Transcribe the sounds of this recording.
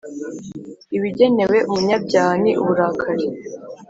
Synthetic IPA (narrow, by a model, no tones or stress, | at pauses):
iβiɟe̞ne̞we̞ʔumuɲab̚ɟaːniʔuβuɾakʰaɾe